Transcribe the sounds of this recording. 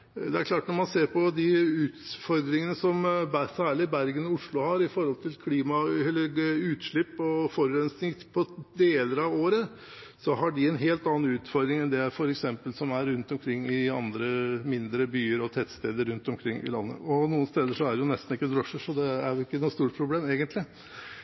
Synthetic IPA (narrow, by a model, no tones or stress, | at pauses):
d̪ɛæɾkʰlɑːʈnɔɾmɑnseːɾpʰɔd̪ɪʉːt̪fɔɾd̪ɾɪŋənəsɔmbæsæːɭɪbæɾɡənɔʊʂɭʊhɑɾɪfɔɾhɔlt̪ʰɪlkʰliːmɑɛlːəɾʉːt̪ʂɭɪpːɔfɔɾʉɾɛnsnɪŋpʰɔd̪eːləɾɑʋoːɾə | sɔɦɑɖɪɛnɦeːlt̪ɑːɑn̩ʉːt̪fɔɾd̪ɾɪŋɛnd̪ɛæfɔɾɛksɛmpəlsɔmæɾːʉnt̪ɔmkʰɾɪŋːɪɑ̰nd̪ɾəmɪnd̪ɾəbyːəɾɔt̪ʰɛt̪st̪eːd̪əɾʉnt̪ɔmkʰɾɪŋːʔɪ̰lɑnːə̰ʔɔnuːənst̪eːd̪əʂɔæɾjʊnɛst̪n̩ɪkːəd̪ɾɔʂːəʂɔd̪ɛæɾjʊɪkːənuːst̪uːʈ̚pʰɾʊbleːmeːɡənt̪lɪ